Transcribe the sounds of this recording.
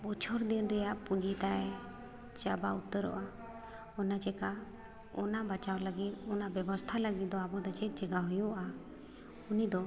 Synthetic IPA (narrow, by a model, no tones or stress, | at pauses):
bɔt͡ʃʰɔɾd̪inɾɛjaʔpud͡ʒit̪ajɛ | t͡ʃabaut̪ːəɾɔ̰ʔa | ɔnat͡ʃɛka | ɔnabat͡ʃawləɡit̪ɔnabɛbɔst̪ʰaləɡit̪̚d̪ɔabɔd̪ɔt͡ʃɛt̪̚t͡ʃɛɡaɦujɔʔa | unid̪ɔ